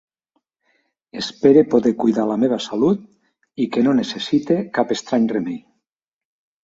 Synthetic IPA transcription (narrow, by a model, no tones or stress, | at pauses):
espeɾepoðekujðalameβ̞asalut̪̚ | ikenonesesit̪ekapest̪ɾaɲremej